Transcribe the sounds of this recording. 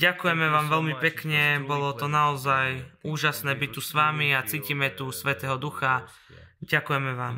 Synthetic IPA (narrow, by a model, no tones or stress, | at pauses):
ɟakujɛmɛʋaːmʋɛlmipɛkɲɛbɔlɔt̪ɔnaɔzajuːʒasnɛːbit̪ːusʋamiat͡siːcimɛt̪usʋɛt̪ɛːɦɔd̪uxa | ɟakujɛmɛʋaːm